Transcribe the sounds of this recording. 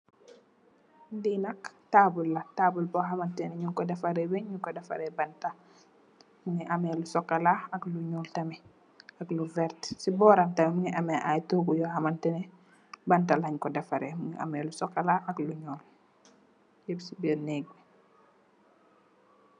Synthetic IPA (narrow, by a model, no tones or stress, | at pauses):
ndinɐktaːbulːɐtaːbulbɔɦamɐntɛnɛɲuŋkɔdɐfaɾɛbɛɲɲuŋkɔdɐfɐ̰ɾɛbɐnta | muŋɛʔɐmɛlusɔkːɐlaɐkluɲuːltɐmɛ | ɐkluvɛɾtsibɔːɾantɐmɛmuŋɛʔɐmɛʔajtoɡujɔhɐmɐntɛnɛ | bɐntalaɲkɔdɐfɐɾɛmuŋɛʔɐ̰mɛlusɔkːalaɐkluɲɔːl | jɛbsibɛnɛːɡ̚bi